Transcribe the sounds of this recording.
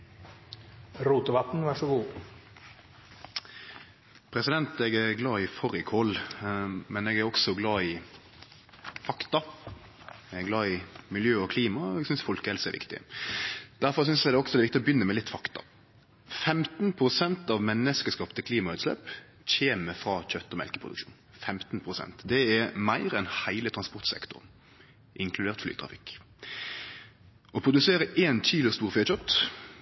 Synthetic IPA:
ɾuːt̪ʊʋɑt̪n̩ʋɑʂɔɡuː | pʰɾɛsɪd̪ɛnt̪ɛɡæɡlɑːɪfɔɾɪkʰɔl | mɛnɛɡæɾɔksɔɡlɑːɪ | fɑkt̪ɑ | ɡlɑːɪmɪljøːɔkʰliːmɑɛɡsʏnsfɔlkəɛlsɛʋɪ̰kt̪ɪ̰ | d̪̥æɾfɔɾs̬ʏnsɛd̪ɛɔksɔɛdɛʋɪkt̪ɪɔbjʏnːəmɛlɪt̪ːfɑkt̪ɑ̰ | fɛmt̪n̩pʰɾʊsɛnt̪ɑʋmɛnːəskəskɑːpt̪ʰɪlkʰliːmɑʉːt̪slɛ̰ːp | c͡çeːməfɾɑːc͡çœt̪ːɔmɛ̰lkəpʰʁʊd̪ʉ̰kʃṵːnfɛmt̪npʰʁʊsɛ̰nt̪d̪ɛæmæɪɾɛnhæɪlət̪ʰʁɑnspɔʁt̪sɛ̰kt̪ʊ̰ʁn | ʔɪŋkʰlʉd̪eːʁt̪fly̰ːt̪ʰʁɑ̰fɪk | ɔpʰʁʊd̪ʉseːɾəʔeːnt͡ʃʰiːlɪəst̪uːʁfɪːçœt̪ː

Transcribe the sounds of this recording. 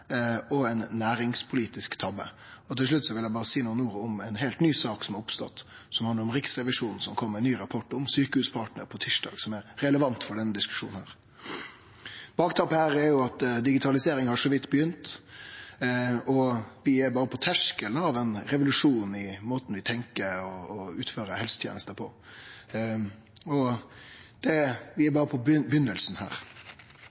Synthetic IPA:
ɔɛɪnːæːɾɪŋspʰʊliːt̪ɪskt̪ʰɑbə̰ | ɔt̪ʰɪlʂɭʉt̪ːsɔʋɪljæɪbɑːɾəsiːnuːnuːɾʊmɛnɦeːlt̪nyːsɑːksɔmæɾʊpst̪ɔ̰t̪ː | sɔmhɑnəɾɔmɾɪksɾɛʋɪʂuːnn̩sɔmkʰɔmːəɾɛnyːɾɑpʰɔʈɔmsyːkəhʉːspʰɑʈnə̰ɾpʰɔt̪ʰiʂdɑ̰ːɡsɔmɛɾɾɛləʋɑnt̪fɔɖɛnːəd̪ɪskʉ̥ʂṵːnn̩hæ̰ːɾ | b̥ɑːkt̪ʰɑpːəhæːɾɛæɾjʊɑt̪d̪ɪɡɪt̪ʰɑlɪseːɾɪŋhɑʂɔʋɪt̪ːbəjʏnt̪ | ɔʋɪɛɾbɑːɾəpʰɔt̪ʰæʂkəlɑʋɛnɾɛʋʊlʉʂuːnɪmoːt̪n̩ʋɪt̪ʰɛŋkəɾɔːʉːt̪føːɾəhɛlsət̪ʰjḛːnəst̪əpʰɔ | ɔ | d̪̥ɛʋɪɛbɑːɾəpʰɔbbjʏnːəlsn̩hæ̰ːɾ

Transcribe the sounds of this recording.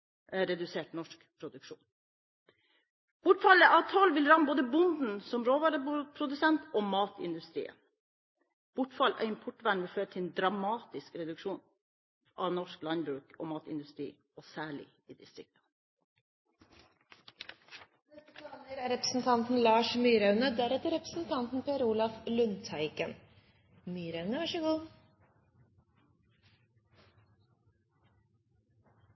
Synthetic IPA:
ɾɛd̪ʉseːʈnɔʂkpʰɾʊd̪ʉkʂṵːn | b̥ʊʈfɑləʔɑʋt̪ʰɔlʋɪlɾɑmːboːd̪əbʊnd̪n̩sɔmɾoːʋɑːɾəpʰɾʊd̪ʉsɛnt̪oːmɑːt̪ɪ̰nd̪ʉst̪ɾḭːə̰ | b̥ʊʈfɑlɑ̰ːɪmpʰɔʈʋæɳʋɪlføːɾət̪ʰɪɛnd̪ɾɑmɑːt̪ɪskɾɛd̪ʉkʂuːn | ʔɑːʋnɔʂklɑnbɾʉːko̰ːmɑːt̪ɪ̰nd̪ʉst̪ɾḭː | oːsæːɭɪ̰ | iːd̪ɪst̪ɾɪk̚t̪ə̥ | nɛst̪əpʰlɑːnəɾæːɾɛpɾəsn̩t̪ʰɑnt̪n̩lɑːʂmyːɾɑʉnəd̪æɾɛt̪əɾɛpɾəsn̩t̪ʰɑnt̪n̩pʰeːɾuːlɑflʉnt̪ʰɑɪkən | myːɾəʉnəʋɑʂəɡuː

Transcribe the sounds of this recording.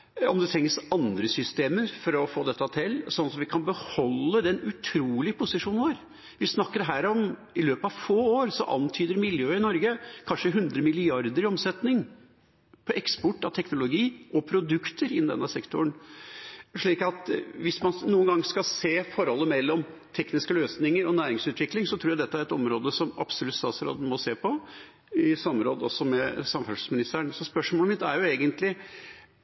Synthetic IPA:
ɔ̰md̪ɛt̪ʰɾɛŋːəsɑnd̪ɾəsʏst̪eːməɾfɔɾɔfoːd̪ɛt̪ːɑt̪ʰɪlsɔnɑsɔmʋɪkʰɑnbəhɔlːəd̪ɛnʉt̪ʰɾuːlɪpʰʊsɪʂuːnʋoːɾ | ʋɪsnɑkːəɾɦæːɾɔm | ɪløːpəɑʋfoːoːɾsɔ̰ʔɑ̰nt̪ʰyːd̪əɾmɪljøːɪnɔɾɡəkʰɑnʂəɦʉnd̪ɾəmɪlɪɑɾd̪əɾɪɔmsɛt̪nɪŋ | pʰɔʔɛkspɔʈːɑt̪ʰɛknʊlʊɡiːʔɔpʰɾʊd̪ʉkt̪ʰəɾɪnd̪ɛ̰nːəsɛkt̪ʊəɳ | ʂɭiːkɑt̪ʋɪsmɑnnuːənɡɑŋːskɑseːfɔɾhɔlːəmɛlːɔmt̪ʰɛknɪskəløːsnɪŋəɾɔnæːɾɪŋsʉːt̪ʋɪklɪŋsɔt̪ʰɾuːjæd̪ɛt̪ːəæɾɛt̪ɔmɾoːd̪əsɔmɑ̰bsɔlʉt̪st̪ɑːt̪sɾo̰ːd̪ən̩mɔseːpʰɔ | ɪsɑmːəɾoːd̪əɔsːɔmɛsɑmːfœʂ̩smɪnɪst̪əɳsɔspœʂmoːləmɪt̪ːæɾjʊeːɡənt̪lɪ

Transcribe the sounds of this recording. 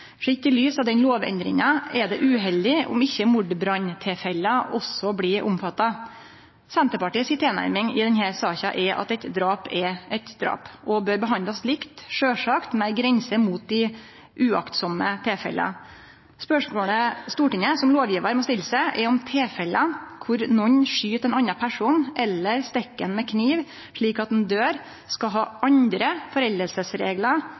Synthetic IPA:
fʂɪt̪ːɪlyːsɑʋd̪ɛnloːʋɛ̰nd̪ɾɪ̰ŋɑɛd̪ɛʔʉːɦɛld̪ɪʊ̰mɪçːəmʊɖbɾɑɲt̪ʰeːfɛlːəʔɔsːɔblɪʔʊ̰mfɑt̪ːɑ | sɛnt̪əpɑʈiːsɪt̪ʰeːnæ̰ɾmɪŋɪd̪ɛnhæːɾsɑːçɑʔɛɾʔɑ̰t̪ɛt̪d̪ɾɑːpɛʔɛt̪d̪ɾɑ̰ːpʔɔbøːɾbəɦɑnd̪ɑslɪkt̪ʂøːʂɑkt̪mæɡɾɛnsəmuːt̪̚d̪ɪ | ʔʉɑ̰kt̪sɔmət̪ʰeːfɛ̰lːə̰ | spœʂmoːɽəst̪uːʈɪŋːəsɔmloːʋjiːʋəɾmɔst̪ɪlːsɛʔɛɔmt̪ʰeːfɛlːəkʰʊɾnɔɲːʂyːt̪ɛnɑnːɑpʰæʂuːnn̩ʔɛlːəɾst̪ɛkːənmɛkʰniːʋ | ʂɭiːkɑt̪̚ɛnd̪øːɾ | skɑɦɑːʔɑnd̪ɾəfɔɾɛld̪əlsəsɾḛːɡlə

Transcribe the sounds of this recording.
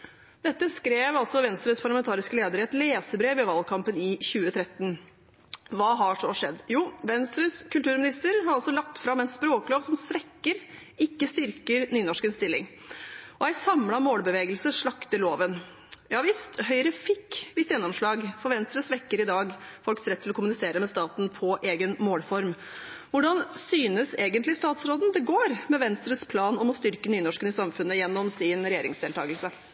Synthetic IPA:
d̪̥ɛt̪ːəskɾeːʋɑlsɔʋɛnst̪ɾəspʰɑɾɭɑmɛnt̪ɑːɾɪskəleːd̪əɾəɛt̪leːsəbɾeːʋɛʋɑlkʰɑmpənɪçʉːət̪ʰɾɛt̪ːn | ʋɑːɦɑʂɔʂɛd̪ːjuːʋɛnst̪ɾəskʰʉlt̪ʉːɾmɪnɪst̪əɾɦɑɾɑlsɔlɑk̚t̪fɾɑmɛnspɾoːkəloːʋsɔmsʋɛkːəɾ | ɪkːəst̪ʏɾkəɾnyːnɔʂkənst̪ɪlːɪ̰ŋ | ʔɔjæɪsɑmlɑmoːlbəʋeːɡəlsəʂɭɑkt̪əloːʋən | jæhɑɾʋɪst̪ɦœʏɾəfɪkːʋɪsjɛnːɔmʂɭɑːɡfɔɾʋɛnst̪ɾəsʋɛkːəɾɪd̪ɑːɡfɔlksɾɛt̪ʰːɪlɔkʰʊmʉnɪseːɾəmɛst̪ɑːt̪n̩pʰɔʔeːɡənmoːlfɔɾm | ʋʊɖɑnsyːnəseːɡənt̪lɪst̪ɑːt̪sɾoːd̪nd̪ɛɡoːɾmɛʋɛnst̪ɾəspʰlɑːnɔmɔst̪ʏɾkənyːnɔʂkənɪsɑmfʉnːəjɛnːɔmsɪnɾɛjeːɾɪ̰ŋsd̪eːlt̪ʰɑːɡəlsə

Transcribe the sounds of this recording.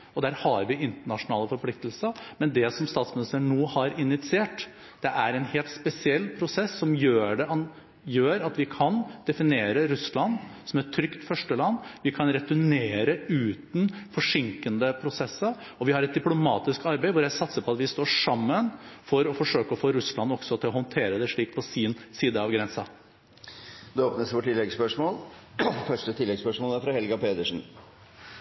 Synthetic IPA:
ɔd̪æːɾhɑɾʋɪɪnt̪əɳɑʂʊnɑːləfɔɾpʰlɪk̚t̪əl̩səɾmɛnd̪ɛsɔmst̪ɑːt̪smɪnɪst̪əɾəɳɳuːhɑɾɪnɪt̪sɪeːʈ | d̪̥ɛʔæɾɛnheːlt̪spɛsɪɛlːpʰɾʊsɛsːɔmjøːɖɛɑn | jøːɾɑt̪ʋɪkʰɑnd̪̥ɛfɪneːɾəɾʉslɑnːsɔmæʈʰɾʏkt̪fœʂʈəlɑnːʋɪkʰɑnɾɛt̪ʉneːɾəʉːt̪n̩fɔʂɪŋkənd̪əpʰɾʊsɛsːəɾ | ɔʋɪhɑɾɛt̪̚d̪ɪplʊmɑːt̪ɪskɑɾbeɪʋʊɾjæɪsɑt̪səpʰɔɑt̪ʋɪst̪oːʂɑmːənfɔɾɔfɔʂøːkəɔfoːɾʉslɑnɔksɔt̪ʰɪlɔɦɔnt̪ʰeːɾəd̪ɛʂɭiːk̚pʰɔsiːnsiːd̪əɑʋɡɾɛnsɑ | d̪ʉoːpnəsʋoːʈʰɪlːɛɡspœʂmoːlfœʂʈət̪ʰɪlːɛɡspœʂmoːlæɾfɾɑhɛlɡɑpeːd̪əʂn̩

